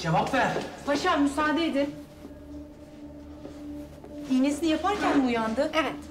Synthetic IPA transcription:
d͡ʒevapvæɾ̥baʃaɾmysaːd̪eed̪ɪ | d̪inesinijapʰaɾcʰænbuːjand̪ɯʔevɛt̪

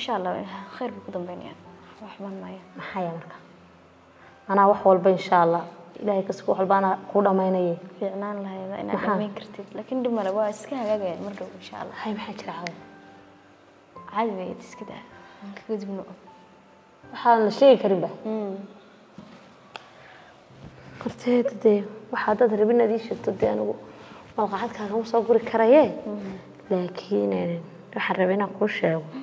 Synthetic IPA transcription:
ɪʃaːʔlːaːɪ̰xɛjrbuːkʰʊd̪ɐmbɛjnɐ̰ja̰ːwɑːħʊmaːnmɐːjɐmɐħɑːjɛmɐrkʰḁ | ʔɐnaːwɑħwɑlbɐɪnʃaɐlːɑːɪ̰laːhɛjkʰɐskwħwlbɐnakʰʊɖɐmɛjnɐjɛfiːʕnaːnlɐɦɛjða̰ʔɪ̰na̰mħaːmɛjŋkʰɐrt̪ʰɪd̪laːkʰɪnɖɪbmɐlɛwɑːɪskʰɐhɐɣaːɣɐjaːnmɐrɖɐwɪnʃa̰ːʔɐ̰lːɑ̰hɛjmɑħaːt͡ʃʰɪɾɛʕɑðɪ | ʕɑlɪmɛjɛ̰d̪ɪskʰɪd̪a̰ːaŋkʰɐɡɐd̪ibnɔ | wɑħanlɐʃɛːɣɪkʰɐɾɪmbɐ | kʰɔrt̪ʰɛːd̪d̪ɛwɑħɑd̪ad̪rɐβɪnaːd̪iːʃɛːɡt̪ʰɔd̪ɛɐnɪɣʊmɐlqɑħad̪kʰaːɣʰɐnʊsɔːɡʊɾɪkʰɐɾɐjɛ | laːkʰiːnɛ | wɑħɑrɐβɛnaːkʰuːʃɛːɣɔ

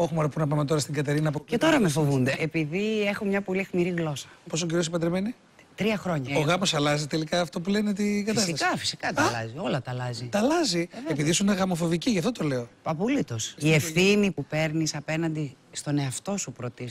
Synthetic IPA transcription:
o̞xumoɾɐpunɐpɐmet̪o̞ɾɐst̪iŋɡɐt̪e̞ɾinɐp̬oe̞t̪o̞ɾɐmefo̞vund̪eepiðie̞xumɲɐpo̞lixmiɾiɣlo̞sɐ̥po̞sociɾiosipɐt̪ɾemeni | t̪ɾiɐxɾo̞ɲɐoɣɐmo̞sɐlɐzit̪e̞likɐːft̪o̞pule̞net̪iɡɐt̪ɐsikɐfi̥si̥kɐt̪ɐlɐ̰zio̞lɐt̪ɐlɐzit̪ɐlɐziepiðisuineɣɐmo̞fo̞viciʝɐft̪ot̪o̞le̞opɐpulit̪o̞sie̞fθinipupe̞ɾnisɐpe̞nɐnd̪i | st̪o̞ne̞ɐft̪o̞supɾo̞t̪is

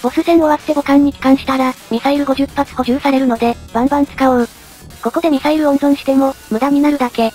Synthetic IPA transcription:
o̞sɨzẽ̞ɰ̃oβatt̪e̞ɡo̞kãɲ̟ːikʲi̥kãɰ̃ɕi̥t̪aɾamʲisaiɾɯ̟ɡo̞ʑɨpːat͡sɨ̥ho̞ʑɨːsaɾe̞ɾɯ̟no̞d̪e̞b̥ãmbãnt͡sɨ̥kao | ko̞ko̞d̪e̞mʲisaiɾɯ̟õ̞nd̪õ̞ɰ̃ɕi̥t̪e̞mo̞mɯ̟d̪aɲ̟inaɾɯ̟d̪ake̞

